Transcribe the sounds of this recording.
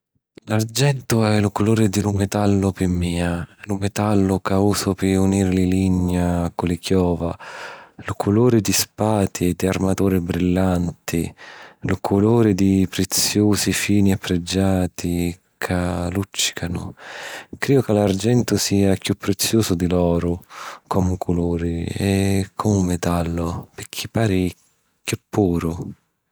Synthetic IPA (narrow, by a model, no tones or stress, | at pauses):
lard͡ʒɛnt̪ʊɛlʊkʊloːɾɪd̪ɪlʊmɛt̪alːʊpɪmːiːalʊmɛt̪alːʊkauːsʊpɪuniːɾɪlɪliɲːakʊlɪkjɔːva | lʊkʰʊloːɾɪd̪ispaːt̪ʰied̪iarmat̪uːɾɪbɾilːant̪ʰilʊkʰʊloːɾɪd̪ipɾet̪sjoːsifiːniapːɾɪd͡ʒːaːt̪ʰi | kʰalut͡ʃːi̥kʰanʊ̰ | kɾiːʊkalard͡ʒɛnt̪ʊsiːakjupːɾet̪sːjuːsʊd̪ilɔːɾʊkʰɔmʊkʰʊloːɾɪɛkʰɔmumːet̪alːʊpɪkʰːipːaːɾi | kjupʰːuːɾʊ